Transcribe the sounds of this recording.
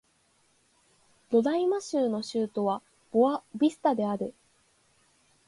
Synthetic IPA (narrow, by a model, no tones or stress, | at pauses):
d̪̥o̞d̪aimaɕɨːno̞ɕɨːt̪o̞βa | b̥oabʲisɨ̥t̪ad̪e̞aɾɯ̟